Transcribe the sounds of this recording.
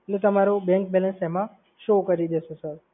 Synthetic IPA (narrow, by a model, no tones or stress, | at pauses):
net̪əmaɾobɛ̃ŋkbɛlə̃nsemã | ʃokəɾid̪esosəɾ